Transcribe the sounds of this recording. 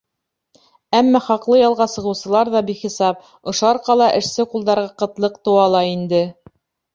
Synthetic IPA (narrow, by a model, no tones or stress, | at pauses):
æmːɑχɑqlˠɤjɑlˠʁɑsɤ̆ʁɤ̆wsɤ̆lˠɑɾðɑbiχisɑp̚ | ŏʃŏɑɾqɑlˠɑʔɘ̆ʃsɘqulˠd̪ɑɾʁɑqɤ̆t̪lˠɤq̚t̪ɤ̆wɑlˠɑind̪ɘ